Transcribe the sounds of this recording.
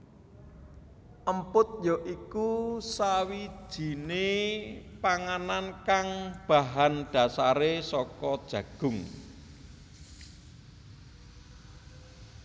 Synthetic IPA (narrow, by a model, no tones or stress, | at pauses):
ʔəmpʊt̪̚jɔʔikusawi̥ʒ̥i̤ne | paŋanankaŋb̥a̤ɦanɖ̥a̤saɾesɔkɔd̥ʒ̥ä̤ɡ̥ʊ̤ŋ